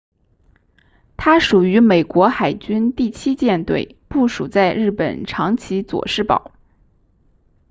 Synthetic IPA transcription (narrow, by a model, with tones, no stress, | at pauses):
t̪ʰa˥ʂu˨˩y˧˥me˨˩ɪkwɔ˧˥xa˨˩ɪt͡ɕy˥nt̪i˥˩t͡ɕʰi˥t͡ɕjɛ˥˧nt̪we˥˧ɪpu˥˩ʂu˨˩t͡sa˥˧ɪɻɻ̩˥˩pə̰˨˩nʈ͡ʂʰɑ˧˥ŋt͡ɕʰi˧˥t͡swɔ̰˨˩ʂɻ̩˥˩pɑ̰˨˩˦ʊ